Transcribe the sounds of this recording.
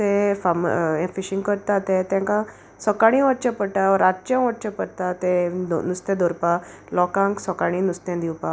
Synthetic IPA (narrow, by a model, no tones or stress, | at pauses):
t̪efamẽfiɕĩŋɡkəɾt̪at̪et̪jãŋka | sɔkaɽ̃ĩʋəʈ̚t͡ɕəpəɽʈ̪aɔɾat͡ɕãʋəɾ̚t͡ɕəpəɽt̪at̪enust̪ɛ̃d̪oɾpa | lɔkãŋksɔkaɽ̃inust̪ɛ̃d̪iwpa